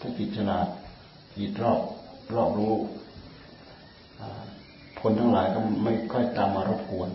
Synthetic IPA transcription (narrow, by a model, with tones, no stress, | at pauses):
t̪ʰaː˥˩ki˨˩t̪̚sʰa˧naː˨˩t̪̚ | kiː˨˩t̪̚ɾɔː˥˩p̚ɾɔː˥˩p̚ɾuː˦˥ | ʔaː˨˩ | pʰo˧nt̪ʰa˥˩ŋlaː˨˦jkɔ˥˩ma˥˩jkʰɔ˥˩jt̪aː˧mːaː˧ɾo˦˥˩p̚kʰu˧ən